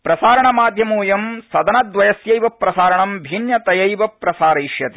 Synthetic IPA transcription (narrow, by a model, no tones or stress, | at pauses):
pɾɐsaːɾɐɳɐmaːd̪ʱjɐmuːjɐmsɐd̪ɐnɐd̪ʋɐjɐsjɐjʋɐpːɾɐsaːɾɐɳɐmbʱinjɐt̪ɐjɐjʋɐpɾɐsaːɾɐːʃjɐt̪i̥